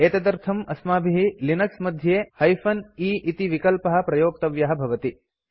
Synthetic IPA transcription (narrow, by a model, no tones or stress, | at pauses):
eːt̪ɐd̪ɐɾt̪ʰɐmɐsmaːbʱiɦilinɐksmɐd̪ʱjeːhɐjfɐniːʔit̪iʋikɐlpɐɦɐ̆pɾɐjoːk̚t̪ɐʋjɐɦɐ̆bʱɐʋɐt̪i